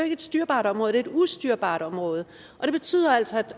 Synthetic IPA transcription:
eɡəe̝d̥sd̥yɐb̥ɑ̈ːɾ̥ɒ̽mʁɔ̽ð̩ˠde̝d̥usd̥yɐ̰b̥ɑ̈ːɾ̥ɒ̽mʁɔ̽ːð̞̩ˠ | ʔɒ̽d̥e̝b̥e̝t͡sʰy̰ːð̰ˠɐæl̰sɒ̽æd̥

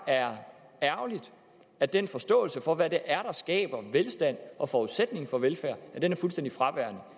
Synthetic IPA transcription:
æɐ | æɐlid̥ | æd̥enfɒ̽sd̥ɔ̰̽ːl̩səfɒ̽ʋæde̝ʔæɐɾ̥ɑ̈sɡ̥ɛ̰ːb̥ɐʋelsd̥æn̰ʔɒ̽fɒuðˠsed̥̚ne̝ŋ̩fɒ̽ʋelfæɐ̰æd̥enæɐfulsd̥en̰d̥ifʁɑ̈ʋæɐ̰nə

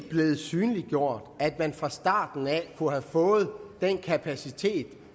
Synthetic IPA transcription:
b̥le̝ːð̞̩ˠsyːnliɡ̥jo̝ɐ̰d̥æd̥mænfʁɑ̈sd̥ɑ̰̈ːd̥n̩ækʰuhæfɔ̽ːð̞̩ˠd̥enkʰæpʰæsit͡sʰe̝̰ːd̥

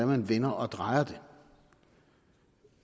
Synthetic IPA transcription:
æmenʋenɐʔɒd̥ʁɑ̈ɪɐd̥e

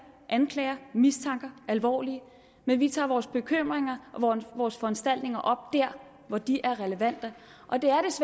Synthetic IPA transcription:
ʔænkʰlɛːɐmist͡sʰɑ̈ŋɡ̥ɐʔælʋɒ̰ːliə | menʋit͡sʰɑ̰̈ːʋɒːsb̥e̝kʰøm̰ʁeŋɐʔɒʋɒːsfɒ̽ænsd̥æl̰d̥ne̝ŋɐʔɒ̽b̥̚d̥æɐ̰ | ʋɒd̥iʔæɐʁɛləʋæn̰d̥ə | ʔɒ̽d̥e̝æɐɾ̥e̝s

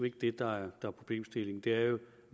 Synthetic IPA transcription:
e̝ɡ̥əd̥e̝d̥ɑ̈æɐd̥ɑ̈æɐpʰʁo̝b̥le̝̰ːmsd̥e̝le̝ŋ̩d̥e̝æɐjo̝

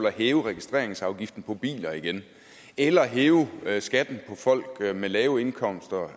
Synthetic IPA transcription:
læɦeːʊəʁɛɡ̥isd̥ʁe̝ɐ̰eŋsɑ̈ʊɡ̥ifd̥n̩pʰɒ̽b̥ḭːlɐiɡ̥en | elɐːɦeːʊsɡ̥æd̥n̩pʰɒ̽fɒ̽l̰ɡ̥melɛːʊe̝nkʰɒ̽m̰sd̥ɐ

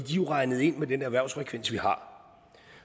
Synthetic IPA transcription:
ɡ̥ḭʁɑ̈ɪnəð̩ˠe̝n̰med̥enəæʋæɐʊsfʁɛkʰʋen̰sʋihɑ̈

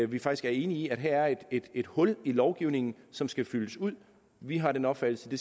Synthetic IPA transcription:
ʋifɑ̈ɡ̥d̥isɡ̥æɐe̝ːniiæd̥ɦæɐæɐe̝d̥e̝d̥e̝d̥hɔ̽lilɒʊɡ̥iʊ̰ne̝ŋn̩sɒ̽msɡ̥æfyləsuð̰ˠ | ʋiɦɑ̈ɾenɒ̽b̥fæd̥l̩səd̥e̝

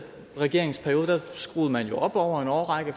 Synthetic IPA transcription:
ʁɛɡ̥e̝ɐe̝ŋspʰæɐjo̝ːðˠd̥æsɡ̥ʁṵːð̞̩ˠmænjo̝ʔɒ̽b̥ɒʊ̰ɐe̝nɒːʁɑɡ̥ə

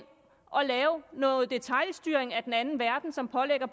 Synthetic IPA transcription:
n | ʔɒ̽lɛːʊnɔ̽ːð̩ˠd̥e̝t͡sʰɑ̈ɪlsd̥yɐ̰eŋæd̥enænn̩ʋæɐd̥n̩sɒ̽mpʰɒ̽leɡ̥ɐp

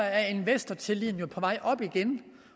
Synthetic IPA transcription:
ɐæɐe̝nʋesd̥ɐt͡sʰe̝lḭːn̩jopʰɒ̽ʋɑ̈ɪ̰ʔɒ̽b̥iɡ̥en

